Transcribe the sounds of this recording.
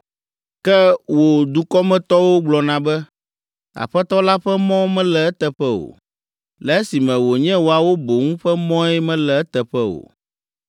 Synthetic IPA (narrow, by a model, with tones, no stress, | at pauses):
kɛ˦wo˨d̪u˨kɔ˦mɛ̃˨t̪ɔ˦wo˦ɡ͡blɔ˨nã˨bɛ˦ | a̰˨ɸɛ˦t̪ɔ˦la˦ɸɛ˦mɔ̃˦mɛ̃˦lɛ˨ɛ˦t̪ɛ˨ɸɛ˦o̰˨ | lɛ˨e˦si˨mɛ̃˨wo˨ɲɛ̃˦wo˨a˨wo˦bo˨ŋũ˦ɸɛ˦mɔ̃˦ɛ˦mɛ̃˦lɛ˨ɛ˦t̪ɛ˨ɸɛ˦o̰˨